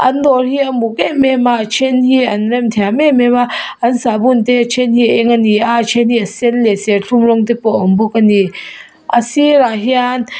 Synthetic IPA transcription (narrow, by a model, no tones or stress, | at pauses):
ʔandɔɾhiamukeʔmemat͡ʃʰenhiɐnɾɛmt̪ʰɛamemebaansabunt̪et͡ʃʰenhiɛŋaniat͡ʃʰenhiasenleseɬʰumɾɔŋt̪epɔʔɔmbukani | ʔasiɾaɦian